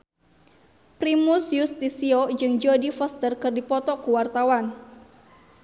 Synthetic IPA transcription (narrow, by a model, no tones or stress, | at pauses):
pɾimusjust̪isiod͡ʒɨŋd͡ʒodifɔst̪ərkɨrdipɔt̪ɔkuwart̪awan